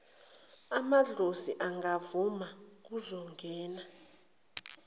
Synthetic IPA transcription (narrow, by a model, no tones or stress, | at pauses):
amaɮoziʔaŋɡavumak̬uzɔŋɡʱɛːna